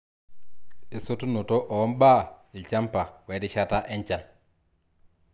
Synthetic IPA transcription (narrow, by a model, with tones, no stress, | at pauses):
e˨so˦tu˦no˨to˦ʔɔ˨ɔ˦mba˦ɪ˨lt͡ʃa˦mpa˨wɛ˨˦dɪ˦ʃa˦ta˦ʔɛ˦ɲt͡ʃa˨n